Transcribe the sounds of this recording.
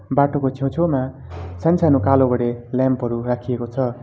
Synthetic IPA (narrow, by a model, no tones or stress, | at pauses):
baʈokot͡sʰew̃t͡sʰoma | sant͡sʰanukalobʌɽeljampɦʌɾurakʰiekot͡sʰʌ